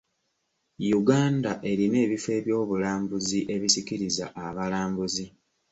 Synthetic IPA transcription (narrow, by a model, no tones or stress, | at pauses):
juɡaːndaʔe̞ɾime̞ːβife̞ːβjo̞ːβulaːmbuziʔe̞βisikiɾiza̰ʔaβalaːmbuzi